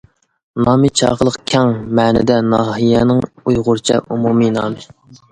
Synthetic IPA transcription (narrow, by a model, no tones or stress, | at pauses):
nɑːmɨt͡ʃʰɑ̰ːʁəlˠəqkʲʰɛŋmɛːnɪ̰d̪ɛnɑːɦijɛnɪŋujʁʊɾt͡ʃʰɛ̰ʔumuminɑ̰ːmɪ